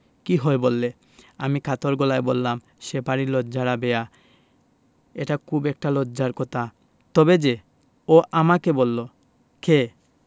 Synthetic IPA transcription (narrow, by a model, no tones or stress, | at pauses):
kiɦɔebolːe | amikʰat̪oɾɡolaebolːam | ʃepaɾilodːd͡ʑaɾabea | eʈakʰubɛk̚ʈaloːaɾkɔt̪ʰa | t̪ɔbed͡ʑe | oʔamakebolːo | kʰe